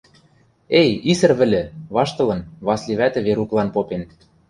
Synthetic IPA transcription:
ejisɘ̆rβɘ̆lʲɘ̆βɑʃt̪ɤ̆lɤ̆nβɑslʲiβæt̪ɘ̆βeɾuklˠɑnpopen

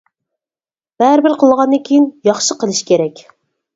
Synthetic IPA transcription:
b̥æɾɪbɪɾqʰəlˠʁɑnd̪ɨŋkʲʰijinjɑχʃəqəlˠɨʃkʲeɾɛkʲ

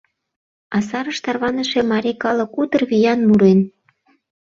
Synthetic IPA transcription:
ɑsɑɾəʃt̪ɑrβɑnəʃe̽mɑɾʲikɑlə̆kut̪ərβijɑnmuɾen

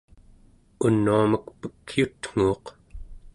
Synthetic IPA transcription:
unːuaməkpə̥kjut̪ŋ̥uːq

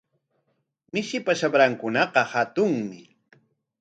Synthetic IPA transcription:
mɪʃɪpaʃabɾaŋkʊnɑqɑhat̪ʊŋmɪ

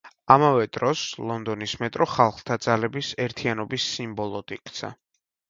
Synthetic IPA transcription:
amavɛd̪ɾɔslˠɔnd̪ɔnismɛt̪ʼɾɔχalˠχt̪ʰad̪zalɛbisɛɾt̪ʰianɔbisːimbɔlˠɔd̪ikʼʰt̪sʰa̰

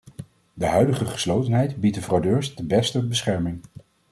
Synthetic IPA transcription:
dəɦœɥdəχəχə̥slowtənɦɛjtbit̚dəvrɑwdøːɹsdəbɛstəbəsχɛɹmɪŋ

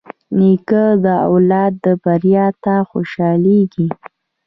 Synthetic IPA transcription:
nikəd̪əa̰wlɑt̪̚d̪əbaɾjɑt̪axoʃɑleɡi

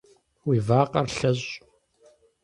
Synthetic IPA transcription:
wiːvaːqʼɐrɬɐʑʼ

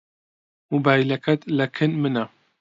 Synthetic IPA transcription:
mubaːjlɐkʰɐt̪lɐkʰɨnmɨna

